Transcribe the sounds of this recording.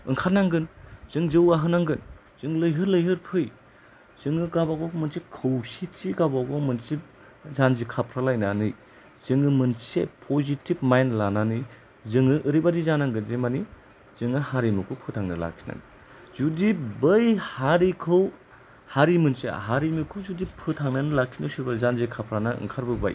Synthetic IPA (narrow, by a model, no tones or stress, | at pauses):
ɯ̰ŋkʰatnaŋɡɯnz̥ɯŋzɯwaɦɯnaŋɡɯn | z̥ɯŋlɯjɦɯɾlɯjɦɯɾpʰɯj | z̥ɯŋɯɡabaɡɔmɯnsikʰɯwsit͡ʃiɡabaɡɔmɯnsip̚ | zanzikʰapʰɾalajnanɯj | z̥ɯŋɯmɯnsḛpʰozitʰib̚majnlananɯj | zɯŋɯʔɯɾibadizanaŋɡɯdemani | z̥ɯŋɯhaɾimikʰupʰɯtʰaŋnala̰kʰi̥na̰ŋ | zudibɯjhaɾikʰɯw | haɾimɯnsḛɦaɾimikʰɯwzudipʰɯtʰaŋnanɯlakʰinɯwsibazanzikʰapʰɾanaɯ̰ŋkʰaɾbɯba̰j